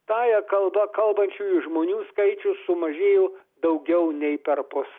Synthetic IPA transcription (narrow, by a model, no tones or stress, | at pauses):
t̪ɑːjɛkɐlˠbɐkɐlˠbɐnʲt͡ʃʲuːjʊʒmoːnʲuːskɐɪt͡ʃʲʊsʊmɐʒʲeːjoː | d̪ɐʊɡʲɛʊnʲɛɪpʲɛɾpʊs